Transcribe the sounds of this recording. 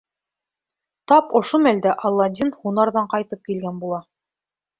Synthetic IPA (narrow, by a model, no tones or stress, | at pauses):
t̪ɑpŏʃomæld̪æʔɑlˠːɑd̪ʲinhunɑɾðɑɴqɑjt̪ɤp̚kilɡænbulˠɑ